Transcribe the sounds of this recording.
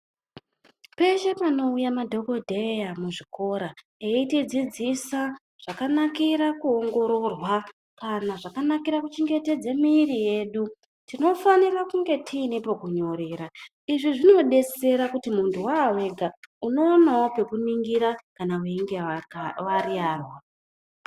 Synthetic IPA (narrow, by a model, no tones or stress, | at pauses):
pe̞ʃe̞pano̞ujamadʱo̞ko̞dʱejamuʐiko̞ɾa | eitid͡zid͡zisa | ʐ̥akanakiɾakuoŋɡo̞ɾo̞rwa | kanaʐakanakiɾakut͡ʃiŋɡe̞te̞d͡zemiːrije̞ːɗu | tino̞fanirakuŋɡe̞tʰiːnipo̞kuɲo̞ɾe̞ːɾa | iʐiʐino̞ɗe̞t͡se̞ɾakutimuntʰuwaːwe̞ɡʱauno̞ːnaope̞kuniŋɡiɾakanaweiŋɡiwarijaːrwa